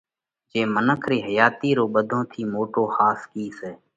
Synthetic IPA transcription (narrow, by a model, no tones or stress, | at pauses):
d͡ʒeːmənəkʰɾiːɦəjaːt̪iːɾoːɓəd̪ʱõːt̪ʰiːmoːʈoːhaːskiːseː